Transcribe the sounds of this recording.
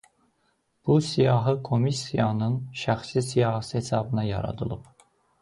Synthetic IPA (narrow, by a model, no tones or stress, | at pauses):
b̥usijɑːɦɯkʰo̞misijɑnɯnʃæxslisijɑːɦsihesɑbɯnɑjɑ̰ɾɑ̰d̪ɯ̰lˠɯp